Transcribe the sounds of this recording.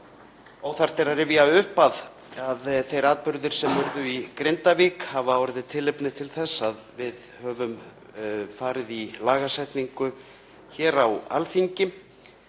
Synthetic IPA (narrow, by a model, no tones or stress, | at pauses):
awθaɾ̥t̪ɛɾaɾɪviaʏhpað | aðθejɾaːðpʏɾðʏɾ̥sɛmʏɾðʏikɾejnt̪avikhavawɾɪðɪt̪ʰɪlɪpnɪt̪ʰɪlθɛsːaðvɪðhœːvʏm | faːɾɪðilaːɣasɛjt̪niŋkʏ | çɛːɾawa̰lθiɲcɪ